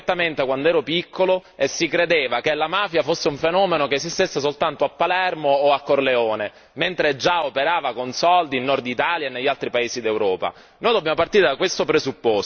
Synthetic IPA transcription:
t̪ːament̪ekwand̪oɛːɾopikʰːoloesːikɾed̪eːvakelamaːfjafosːeuɱfenɔːmenokez̬ist̪esːesolt̪ant̪oapːalɛrmoːakːorleoːne | ment̪ɾed͡ʒaopeɾaːvakonsɔld̪iːnːɔrd̪it̪aːljaenːeʎːalt̪ɾipaeːsid̪ewɾɔːpa̰ | noːjd̪objamopart̪iːɾed̪akwest̪opɾezupːos

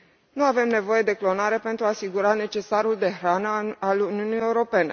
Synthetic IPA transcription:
nuave̞mne̞vo̞je̞d̪e̞klo̞naɾe̞pe̞nt̪ɾuasiɡuɾane̞t͡ʃe̞saɾuld̪e̞ɦɾanəaluniunije̞uɾo̞pe̞ne̞

